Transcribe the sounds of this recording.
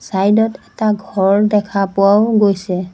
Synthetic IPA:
sajdɔtɛtaɡʱɔɹdɛkʰapʊawɡojsɛ

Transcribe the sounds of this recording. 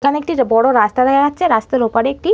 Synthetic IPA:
kʰaneek̚ʈibɔɽoɾast̪aɾakʰaatːʰeɾast̪eɾupaɽeek̚ʈi

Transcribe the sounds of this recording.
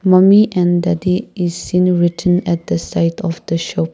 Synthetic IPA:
mãmiʔɛ̃ndɛdiisːĩnɹitʰə̃nɛt̚d̪əsaɪtʰɔfd̥əʃɔp̚

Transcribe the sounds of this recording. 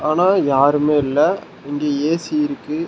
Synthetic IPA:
aːnaːjaːɾɯmeːɪlːɐ | ɪŋɡeːeːsiɪɾɯkːɯ

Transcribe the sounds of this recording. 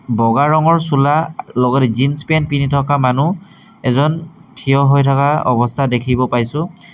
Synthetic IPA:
bɔɡaɹɔŋɔɹsulalɔɡɔtɛzinspɛnpinitʰɔkamanu | ɛzɔntʰijɔɦojtʰɔkaɔ̰bɔstʰadekʰibɔpajsʊ̃

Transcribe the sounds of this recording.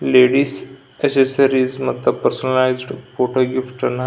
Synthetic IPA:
leɖiːs | esesɐɾizmɐt̪ləbpəɾsonəlajzɖpoʈoɡifʈɐna

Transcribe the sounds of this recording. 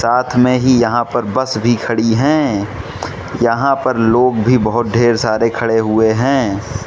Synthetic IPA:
saːt̪ʰmẽɦijɐɦãpɐɾbɐsbʱikʰɐɽiɦɛ̃ː | jɐɦãpɐɾloːɡbʱibɐɦʊt̪̚ɖʱeːɾsaːɾekʰɐɽeɦʊeɦɛ̃ː

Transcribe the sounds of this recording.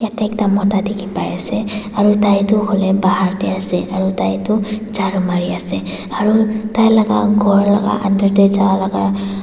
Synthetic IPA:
jatɛk̚damɔtadikʰipajasɛaɹutajtʊholɛbaɦaɹtɛasɛʔaɹutajtʊzaɹumaɹiasɛ | aɹutajlaɡa̰ɡʱɔɹla̰ɡa̰ʔandɔɹtezawalaɡa

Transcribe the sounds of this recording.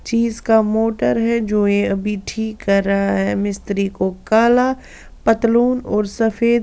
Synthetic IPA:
t͡ʃiːzkamoːʈəɾɦɛd͡ʒoːjeɐbʱiʈʰiːkːɐɾːɐɦaɦɛmɪst̪ɾikokaːla | pɐt̪luːnɔːɾsɐfeːd̪

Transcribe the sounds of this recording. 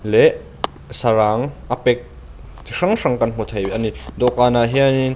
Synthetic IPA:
lɛʔ | saɾaŋʔapɛk̚ | t̪ʰiʂaŋʂaŋkɐnm̥ut̪ʰɐjbʔanid̪ɔkaːnaɦianin

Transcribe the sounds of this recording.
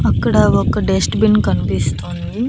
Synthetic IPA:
ɐkːɐɽeʋokːɐɖesʈbinkɐnpist̪oːnd̪i

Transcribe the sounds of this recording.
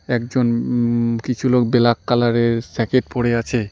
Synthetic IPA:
ɛkd͡ʑon | kit͡ɕʰulokbelakːalaɾeɾsɛkeʈ̚poɽeat͡ɕʰe

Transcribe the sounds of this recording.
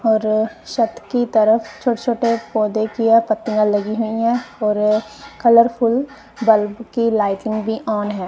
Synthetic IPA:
ɔːɾʃɐt̪kit̪əɾəfʰt͡ʃʰoːʈet͡ʃʰoːʈepɔːd̪ekiepət̪ːijãlɐɡiɦʊĩɦɛ̃ːɔːɾkʰələɾpʰʊl | bəlbkilaːɪʈɪ̃ŋɡbʱiʔɔːnɦɛ̃ː

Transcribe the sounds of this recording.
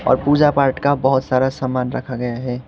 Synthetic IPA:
ɔ̰ːɾpuːd͡ʒapaːɾʈkabəɦʊt̪saːɾasamaːnɾə̰kʰaɡɐjaɦɛː

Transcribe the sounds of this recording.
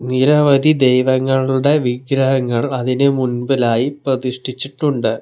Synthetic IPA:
niɾɐʋɐd̪ʱid̪ejʋɐŋːɐɭuɽe̞ʋiɡɾɐɦɐŋːɐɭɐðinɨmunbɐlaːjiprɐd̪iʂʈit͡ɕːiʈːuɳɖɨ

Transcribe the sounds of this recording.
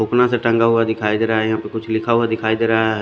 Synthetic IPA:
oːknaseʈə̃ŋɡaɦʊad̪ɪkʰaːid̪eːɾaɦaɦjɐɦãːpekʊt͡ʃʰlɪkʰaɦuad̪ɪkʰaːid̪eːɾaɦaɦɛ

